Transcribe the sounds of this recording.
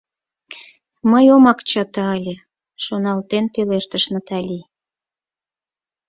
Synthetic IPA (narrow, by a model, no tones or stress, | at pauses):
məjomɑkt͡ɕɑt̪ɑɑlʲe | ʃonɑlt̪enpeleʃt̪əʃnɑt̪ɑlʲi